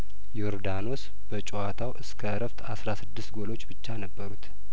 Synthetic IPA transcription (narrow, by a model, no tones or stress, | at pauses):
joɾd̪ano̞s | b̥ət͡ʃʼoat̪ʰawɨskʰəɾəft̪asɾasɨd̪ːɨst̪ɡo̞lo̞t͡ʃːbɨt͡ʃːanəbːəɾut̪